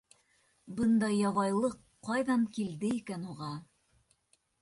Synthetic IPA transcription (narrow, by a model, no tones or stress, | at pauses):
bɤnd̪ɑjːɑβɑjlˠɤqː | ɑjðɑɴkild̪ɘikænuʁɑ